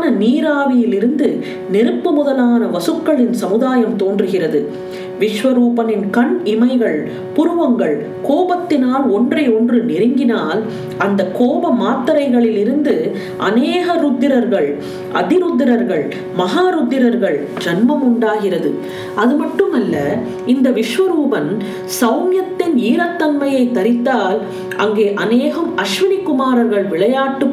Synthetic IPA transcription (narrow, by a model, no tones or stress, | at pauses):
nɐniːɾaːʋɪjɪlɪɾɯnd̪ɯ | nɪɾɯpːɯmʊðɐlaːnɐʋɐsɯkːɐɭɪnsɐmɯðaːjɐmt̪oːndrɯɣɪrɐðɯ | ʋɪʂʋɐɾuːpɐnɪnkɐɳɪmɐɪɣɐɭ | pʊɾɯʋɐŋɡɐɭ | koːbɐt̪ːɪnaːlɔndrɐɪɔndrɯnɪɾɪŋɡɪnaːl | ɐnd̪ɐkoːbɐmaːt̪ːɐɾɐɪɣɐɭɪlɪɾɯnd̪ɯ | ʔɐ̰neːɣɐɾʊd̪ːɪɾɐɾɣɐɭ | ʔɐ̰ðɪɾʊd̪ːɪɾɐɾɣɐɭ | mɐɦaːɾʊd̪ːɪɾɐɾɣɐɭ | d͡ʒɐnmɐmʊɳɖaːɣɪrɐðɯ̰ | ɐðɯmɐʈːɯmɐlːɐ | ɪnd̪ɐʋɪʂʋɐɾuːbɐn | sɐʊmjɐt̪ːɪniːɾɐt̪ːɐnmɐjɐɪt̪ːɐɾɪt̪ːaːl | ɐŋɡeːʔɐneːɣɐmɐʂʋɪnɪkːʊmaːɾɐɾɣɐɭʋɪɭɐjaːʈːɯ